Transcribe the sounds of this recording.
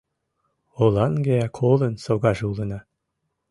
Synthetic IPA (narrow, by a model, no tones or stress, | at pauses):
olˠɑnɡeækʰolˠɤ̆nsoɣɑʒeulˠɤ̆nɑ